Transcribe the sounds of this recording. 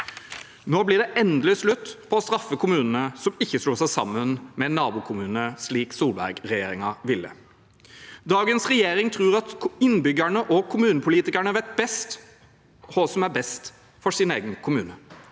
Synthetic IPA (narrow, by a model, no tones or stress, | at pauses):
noːblɪːɖ̪ɛʔɛnd̪əlɪslʉt̪ːpʰɔɔst̪ɾɑfːəkʰʊmʉːnən̩əsɔmɪçːəsluːsæɪsɑ̰mːənmɛɛnːɑːbuːkʰʊmʉːnəʂliːksuːlbæ̰ɾɡɾɛjḛːɾɪŋɑʋɪlːə̰ | d̪ɑːɡənsʁɛjeːɾɪŋt̪ʰɾuːʁɑt̪ɪnbʏɡəɳəʔɔkʰʊmʉːnəpʰʊliːt̪ɪkəɳəʋæt̪̚bɛst̪ | hɔsɔmæɾbɛst̪ | fɔsɪneːɡənkʰʊmʉːnə